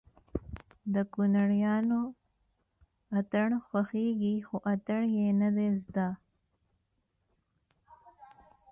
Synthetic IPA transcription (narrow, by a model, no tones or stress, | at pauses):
d̪əkʊnaɽjɑno | at̪əɳxwaxeɡixoʔat̪aɳjenad̪ezd̪a